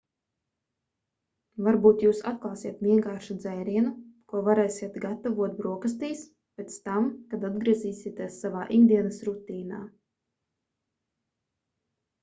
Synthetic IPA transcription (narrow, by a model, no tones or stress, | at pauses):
vaɾbuːt̪juːsat̪̚klˠɑːsiɛt̪viɛŋkaːɾʃud̪zɛjɾiɛnukuɔvaɾɛːsʲiɛt̪ɡat̪avuɔt̪̚bɾuɔkast̪iːs | pʲet̪st̪amkad̪ad̪ɡɾiɛziːsit̪iɛsːavaːʔind̪iɛnɐsɾut̪iːna̰ː